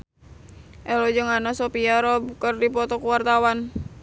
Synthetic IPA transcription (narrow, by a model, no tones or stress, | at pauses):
ʔɛlod͡ʒəŋanasopiaɾɔb̚kərdipɔt̪ɔkuwart̪awan